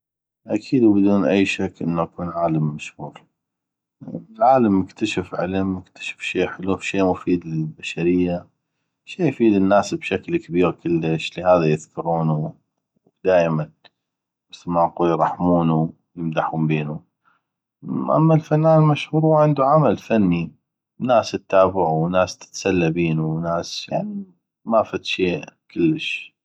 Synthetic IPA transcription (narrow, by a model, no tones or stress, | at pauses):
ʔakʰiːd̪wbɪd̪uːnʔa̰jːʃakːʔɪ̰nːuʔakuːnʕaːlamːaʃhuːɾ | lʕaːlamjɪkt̪ʰaʃafʕɪlmːɪkt̪ḁʃḁfʃeːħɪlufʃeːmʊfiːd̪ɪlbaʃaɾɪjːa | ʃeːʔjfiːd̪ɪnːaːsbʃaklkabiːɾkʰɪlːɪʃlihaːðajɪðkʰʊɾuːnu | d̪aːjman | mɪθlmaquːljɾˤɑħmuːnu | jɪmd̪aħuːmbeːnu | ʔa̰mːalfanːaːnlmaʃhuːɾhuʕɪnd̪uʕamalfanːi | naːsɪt̪ːaːbɪʕuwnaːst̪ɪ̥t̪salːabiːnunaːsjaʕni | mafat̪ʃeːʔkɪlːəʃ